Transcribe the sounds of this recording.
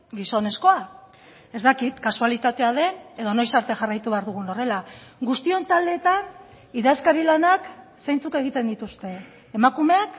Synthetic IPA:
ɡiso̞ne̞sko̞a | e̞zt̪akit̪kasualit̪at̪e̞aðe̞ne̞ðono̞jsaɾt̪e̞ʝarajt̪uβe̞aɾðuɣuno̞re̞laɡust̪io̞nt̪ald̪e̞ːt̪an | iðaskaɾilanaksejnt͡suke̞ɣ̞it̪e̞nd̪it̪ust̪e̞ː | makume̞ak

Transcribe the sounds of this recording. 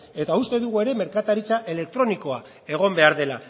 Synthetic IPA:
e̞t̪aust̪e̞ðuɣ̞ue̞ɾe̞me̞ɾkat̪aɾit͡saʔe̞le̞k̚t̪ɾo̞niko̞a | e̞ɣ̞o̞mbe̞aɾðe̞la

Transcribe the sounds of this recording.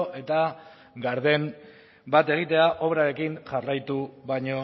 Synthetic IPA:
ʔe̞t̪a | ɡaɾðe̞m | bat̪e̞ɣ̞it̪e̞aʔo̞βɾaɾe̞kiŋʝarajt̪uβajɲo̞

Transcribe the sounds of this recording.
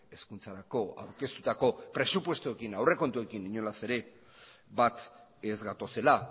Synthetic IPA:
e̞skunt͡saɾako̞a̰wɾke̞st̪ut̪ako̞pɾe̞supwe̞st̪ue̞kinawre̞ko̞nt̪ue̞kiniɲolase̞ɾe̞ | bat̪ezɣat̪o̞se̞la

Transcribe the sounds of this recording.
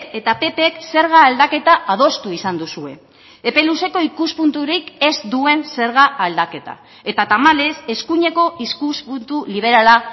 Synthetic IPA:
e̞t̪ape̞pekse̞ɾɣaːld̪ake̞t̪aað̞o̞st̪uisand̪usue̞̰ː | pe̞luse̞ko̞ikuspunt̪uɾike̞zd̪ue̞nse̞ɾɣaːld̪ake̞t̪a̰ | e̞t̪at̪amale̞se̞skuɲe̞ko̞iskuspunt̪uliβ̞e̞ɾala

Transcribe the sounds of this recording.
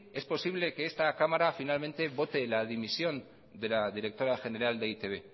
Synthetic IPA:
e̞spo̞siβ̞le̞keest̪akamaɾafinalme̞nt̪e̞βo̞t̪e̞laðimisio̞n | d̪e̞laðiɾe̞k̚t̪o̞ɾaʝe̞neɾald̪eit̪e̞βe̞

